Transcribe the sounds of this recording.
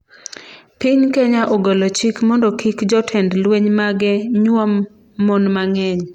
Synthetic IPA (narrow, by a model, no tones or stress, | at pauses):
pɪɲkeɲaʔɔɡɔlɔt͡ʃikmɔndɔkʰikd͡ʒɔtʰɛndlweɲmaɡɛɲwɔmː | ɔnmaŋɛɲ